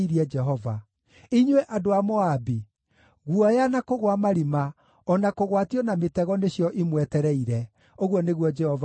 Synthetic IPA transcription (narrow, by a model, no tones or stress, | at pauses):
iɾiɛd͡ʒɛɦɔva | iɲwɛʔadoamɔabi | ɣuɔjanakoɣwamaɾima | ɔnakoɣwatiɔnametɛɣɔneɕjɔʔimwɛtɛɾɛiɾɛ | oɣwɔneɣwɔd͡ʒɛhɔv